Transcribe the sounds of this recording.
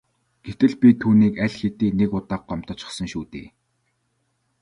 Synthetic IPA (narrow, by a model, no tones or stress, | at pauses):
ɡ̥et̪ɘ̆ɮpʲit̪ʰuːniːkæɮʲxet̪iːnekʊt̪aːq̚ɢɔm̥t̪ɞ̆t͡ɕɪ̥̆sə̆ŋʃuːt̪ḛː